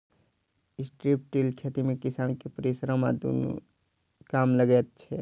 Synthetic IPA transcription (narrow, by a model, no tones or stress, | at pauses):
ɪsʈɾip̚ʈʈilkʰet̪imẽkɪsaːnkepəɾisɾama̰d̪o̰ːno̰ | kaːmləɡɛt̪̚t͡ʃʰɛ